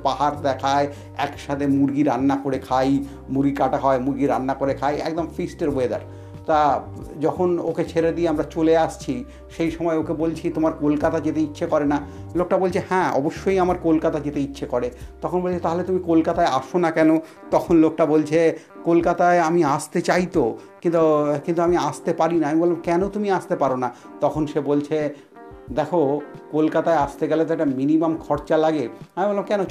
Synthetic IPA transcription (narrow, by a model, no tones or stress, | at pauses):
paɦaɾd̪ɛkʰae | ɛkʃat̪ʰemuɾɡiɾanːakoɾekʰaj | muɾɡikaʈaɦɔemuɾɡiɾanːakoɾekʰajɛ̰k̚d̪omfisʈeɾwed̪a̰ɾ | t̪a | d͡ʑɔkʰonoket͡ɕʰeɾed̪ieamɾat͡ɕoleaʃt͡ɕʰi | ʃejʃɔmɔeokebolt͡ɕʰit̪omaɾkolkat̪ad͡ʑet̪eitːɕʰekɔɾenalok̚ʈabolt͡ɕʰehɛ̃ɔ̰boʃːojamaɾkolkat̪ad͡ʑet̪eitːɕʰekɔɾet̪ɔkʰonbolʰet̪aɦolet̪umikolkat̪aea̰ʃonakɛno | t̪ɔkʰonlok̚ʈabolt͡ɕʰe | kolkat̪aeamiast̪et͡ɕajt̪okint̪ukint̪uamiast̪epaɾinaamibolːamkɛnot̪umiast̪epaɾona | t̪ɔkʰonʃebolt͡ɕʰe | d̪ɛkʰokolkat̪aeast̪eɡɛlot̪ɛk̚ʈaminimamkʰɔɾt͡ɕalaɡeamibolːamkɛno